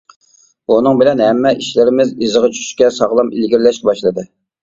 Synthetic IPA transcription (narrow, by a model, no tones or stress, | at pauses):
unɨŋbɪlɛnɦɛmːɛʔiʃlɪɾɪmɪzizɨʁɑt͡ʃʰy̥ʃy̥ʃkʲɛsɑʁlˠɑmilɡʲiɾlɛʃkʲɛbɑʃlˠɨd̪ɨ